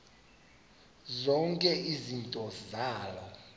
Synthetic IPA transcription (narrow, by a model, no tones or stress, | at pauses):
zɔŋkʼɛizintʼɔzaːlɔ